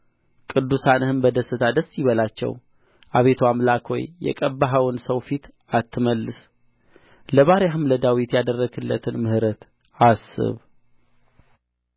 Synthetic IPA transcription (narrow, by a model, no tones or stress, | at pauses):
kʼɨd̪ːusanɨhɨnbəd̪əsːɨt̪ʰad̪əsːjiβəlat͡ʃːɛ̰w | ʔaβe̞t̪ʰoamlakʰo̰jːɛ̰kʼəbːaɦawnsəwfit̪ | at̪ːɨməlːɨs | ləβaɾjaɦɨmləd̪awit̪jad̪ərːəɡɨlːə̰t̪ʰɨnmɨhɾət̪ | asːɨ̰β